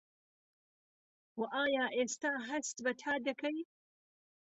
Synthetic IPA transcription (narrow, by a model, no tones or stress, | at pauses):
wɐʔaːjaːʔeːst̪aːɦɐst̪bɐt̪ʰaːd̪ɐkʰɐj